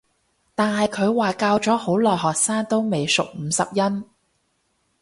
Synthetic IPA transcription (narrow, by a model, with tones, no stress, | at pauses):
t̪aː˨nhɐ˨jkʰɵ˨˧ɥwaː˨kaː˧wt͡ʃɔː˨˥ho˨˥wlɔː˨jɦɔː˨k̚saː˥ŋt̪o˥wme˨jsʊ˨k̚m̩ː˨˧˥sɐ̰˨p̚jɐ˥n